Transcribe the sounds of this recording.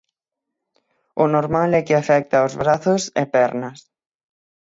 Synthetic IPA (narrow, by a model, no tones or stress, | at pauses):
ʊnoɾmalɛkɪafɛk̚t̪aozβɾaθʊsɪ̰pɛɾnɐs